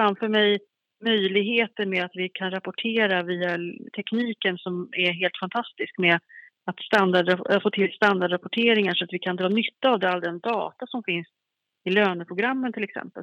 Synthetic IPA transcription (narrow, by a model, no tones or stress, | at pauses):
fɾamfœmɛj | mœjlɪɡɦeːt̪əɾmɛat̪vɪkʰanɾapʊʈʰeːɾaviːat̪ʰɛkniːkənsɔmæɦeːlt̪fant̪ʰast̪ɪskmɛ | at̪st̪and̪aɖafoːt̪ʰɪlst̪and̪aɖɾapʊʈʰeːɾɪŋaʂɔat̪vɪkʰand̪ɾɑːnʏt̪ːaːvd̪ɛald̪ɛnd̪ɑ̰ːt̪asɔmfɪns | ɪløːnəpʰɾʊɡɾamːənt̪ʰɪlɛksɛ̰mpə̰l